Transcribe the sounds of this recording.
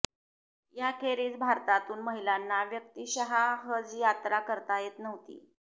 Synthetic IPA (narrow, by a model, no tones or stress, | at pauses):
jakʰeɾiːt͡sbʱaɾt̪at̪uːnməɦilanːaʋjək̚t̪iɕəɦaɦəd͡zjat̪ɾakəɾt̪ajet̪nəʋt̪ḭː